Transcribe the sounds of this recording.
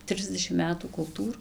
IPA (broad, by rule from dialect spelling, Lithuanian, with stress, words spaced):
ˈtʲrʲɪzʲdʲɛʃʲɪm ˈmʲæːtuː kʊlˠˈtuːr